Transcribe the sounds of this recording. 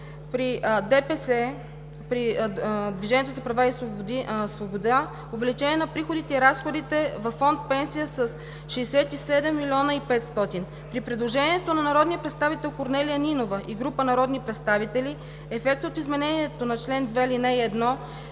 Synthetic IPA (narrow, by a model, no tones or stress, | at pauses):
pɾid̪ɛpɛsɛ | pɾid̪viʒɛniɛt̪ozɐpɾɐvaisosvobod̪a | ovɛlit͡ʃɛnʲiɛnɐpɾixod̪it̪ɛiɾasxod̪it̪ɛvɐfːɔnt̪̚pɛnsijəsəs | ʃɛːsɛt̪isɛd̪ɛmːilʲiɔnəipɛt̪st̪ɔt̪in | pɾipɾɛd̪lˠoʒɛniɛt̪onɐnɐɾɔd̪nijəpɾɛt̪st̪avit̪ɛlˠkoɾnɛlijəninovəʔiɡɾupənɐɾɔd̪nipɾɛt̪st̪avit̪ɛli | ɛfɛk̚t̪ot̪izmɛnɛniɛt̪onɐt͡ʃlɛnd̪vɛlinɛiɛd̪nɔ